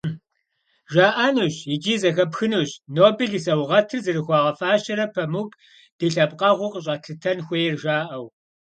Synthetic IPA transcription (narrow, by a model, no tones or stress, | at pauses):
ʒaːʔɐnuːɕjɪd͡ʒiːzɐxɐpxɨnuɕnoːbeɮisɐwʁɐtʰɨrzɨrɨxʷɑːʁɐfaːɕɐɾɐpʰɐmuk | d̥ɨɬɐpqʼɐʁʷʊqəɕ̬ʼɐɬʰɨtʰɐnxʷejɛrʒaːʔɐw